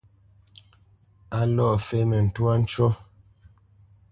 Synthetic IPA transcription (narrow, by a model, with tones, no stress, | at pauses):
a˦lɔ˦˨fe˦mɛ˨n̩˨twa˦n̩˦t͡ʃɔ˦